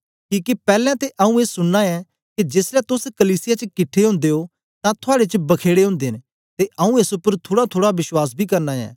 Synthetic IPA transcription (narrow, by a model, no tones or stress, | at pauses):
kiːkepɛːlɛ̃t̪eʔɐũeːsʊɽnaɛ̃ | kid͡ʒɪsɾɛt̪ʊskɐliːsɪjat͡ʃəkɪʈʰːeɦʊ̃ːnd̪eɦo | t̪ãt̪ʰʊaːɽet͡ʃbɐkʰeːɽeɦʊ̃ːnd̪eːn | t̪eʔɐũeːsʊpːəɾt̪ʰoːɽat̪ʰoːɽabɪʃwaːs̬bʱikɐɾnaɛ̰̃ː